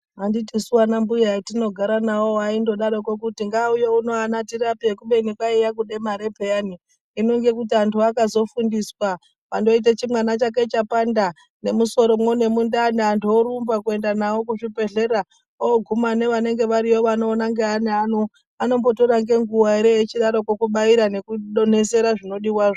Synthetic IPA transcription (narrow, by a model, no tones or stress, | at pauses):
ɦanditisuwanambujaitino̞ɡʱaɾanawoaindo̞ɗaɾokokutiŋɡaujo̞uno̞anatirapiekuɓe̞nikwaijak̬uɗemaɾepeaniː | no̞ŋɡe̞kut̬iantʰuakazo̞fundiswa | pando̞it̬et͡ʃimwanat͡ʃaket͡ʃapanda | ne̞muso̞ɾo̞mwone̞mundaːneantʰuoɾumbakue̞ndanawo̞kuʐipe̞ɮe̞ɾa | oɡʱumane̞ʋane̞ŋɡe̞ʋaɾiwoʋanoːnaŋɡeaneano | ano̞mbo̞toɾaŋɡe̞ŋɡuwaeɾejet͡ʃiɗaɾo̞kokuɓaiɾane̞kuɗone̞se̞ɾaʐino̞ɗiwaːʐo